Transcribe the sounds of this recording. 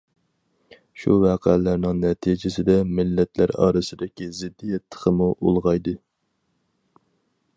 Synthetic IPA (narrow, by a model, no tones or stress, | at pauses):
ʃuvæqʰælæɾnɪŋnɛt̪ʰid͡ʒɪsɪd̪ɛmɪlːɛt̪ʰlæɾɑ̰ːɾɨsɨd̪ɪkʲizɪd̪ːijɛt̪ʰːə̥qʰəmuʔolˠʁɑjd̪ɨ